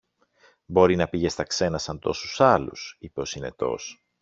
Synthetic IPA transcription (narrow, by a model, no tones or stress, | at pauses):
bo̞ɾinɐpiʝe̞st̪ɐkse̞nɐsɐnt̪o̞susɐlṵsipeo̞sine̞̰t̪o̞̰s